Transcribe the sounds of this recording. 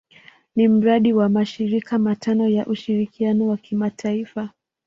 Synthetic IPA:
nim̩ɾaɗiwamaʃiɾikamatʰanɔjaʔuʃiɾikianɔwakʰimatʰaifa

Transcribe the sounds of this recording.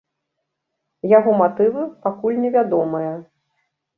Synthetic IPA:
jaɣɔmat̪ɨvɨpakulʲnʲɛvʲad̪ɔmɨjɐ

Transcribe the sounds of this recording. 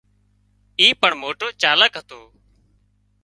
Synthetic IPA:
iːpəɳmoːʈoːt͡ʃaːləkɦət̪oː

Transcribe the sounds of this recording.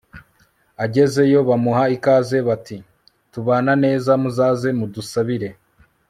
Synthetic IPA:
aɟe̞ze̞jo̞βamuɦaikaːze̞βati | tuβaːnane̞ːzamuzaːze̞mudusaβiɾe̞

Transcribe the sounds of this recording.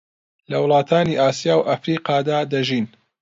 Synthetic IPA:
lɐwlˠɑːt̪ʰaːniːʔaːsijaːwʔɐfɾiːqɑːd̪aːd̪ɐʒiːn

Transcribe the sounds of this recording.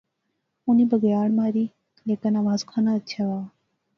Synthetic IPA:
ʊniːbəɡjaːɭmãːɾiː | leːkanaːʋaːskʰaːnaːət̪ːʃʰaːʋaː

